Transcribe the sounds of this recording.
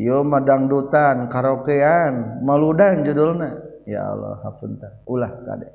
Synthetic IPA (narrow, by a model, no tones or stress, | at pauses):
jomadaŋdut̪ankaɾokeanmaludand͡ʒudulna | ja̰lɔ̰ha̰punt̪anulahka̰da̰